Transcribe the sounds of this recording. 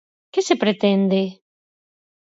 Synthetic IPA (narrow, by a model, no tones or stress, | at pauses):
kesepɾet̪ɛnd̪e